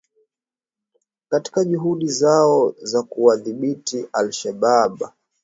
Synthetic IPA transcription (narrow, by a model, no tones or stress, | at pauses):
kati̥kaʄuɦuɗizaɔzakuwaðiɓitiʔalʃaɓaɓa